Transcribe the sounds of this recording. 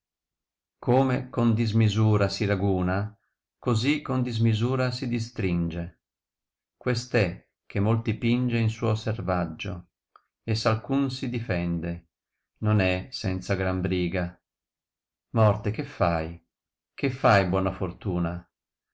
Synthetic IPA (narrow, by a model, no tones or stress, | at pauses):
kʰomekond̪izmizuːɾasiɾaɡuːna | kozikːond̪izmizuːɾasid̪is̬t̪ɾind͡ʒe | kwest̪ɛ | k̟ːemolt̪ipind͡ʒeinsuːoservad͡ʒːo̰ | esalkunsid̪ifɛnd̪e | nonɛsɛnt̪saɡɾambɾiːɡa | mɔrt̪ekefːaj | kefːajbwɔːnafort̪uːna